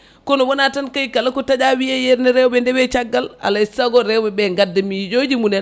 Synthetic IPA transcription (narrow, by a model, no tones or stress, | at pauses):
kɔnɔwɔnatankajkalakɔtad͡ʒawijajeɾnɛɾɛwbɛndɛbɛt͡ʃaɡːala̰laisaɡɔɾɛwbɛbɛŋɡadːɛmid͡ʒod͡ʒimunɛn